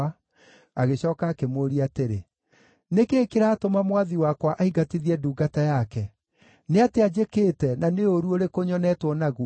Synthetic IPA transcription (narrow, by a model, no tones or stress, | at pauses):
a | aɣeɕɔːkaːkemoɾiateɾe | nekeːkeɾaːtomamwaðiwakwaʔaiɡatiðiɛduːɡatajakɛ | neatead͡ʑekeːtɛnaneoɾuoɾekoɲɔnɛːtwɔnaɣu